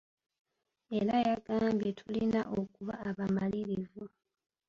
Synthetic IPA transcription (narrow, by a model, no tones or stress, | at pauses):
e̞ɾajaɡaːmbje̞tʰulinaʔo̞kuβaːβamaliɾivu